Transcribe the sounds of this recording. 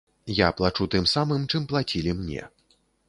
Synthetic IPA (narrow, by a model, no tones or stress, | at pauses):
japlˠat͡ʂut̪ɨmsamɨmt͡ʂɨmplˠat͡sʲilʲimnʲɛ̰